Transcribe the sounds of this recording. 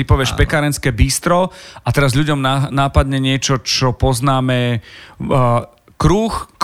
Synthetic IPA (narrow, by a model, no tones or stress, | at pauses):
ipɔʋɪɛʃpɛkaːɾɛnskɛːbiːst̪ɾɔat̪ɛɾazʎuɟɔmnanaːpad̪ɲɛɲɪɛt͡ʃɔt͡ʃɔpɔznaːmɛ | kɾuːxk